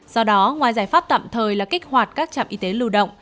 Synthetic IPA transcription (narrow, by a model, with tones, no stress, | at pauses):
zɔ˧ɗɔ˨˦ŋwaː˨˩jzaː˧˩jfaː˦˥p̚t̪a̰ː˧˨mt̪ʰəː˨˩jlaː˨˩kï˦˥k̟̚hwaː˨˩t̚kaː˦˥k̚t͡ɕa̰ː˧˨mʔi˨˧˦t̪e˨˦lɨ˧ɗə̰˧˨wŋ͡m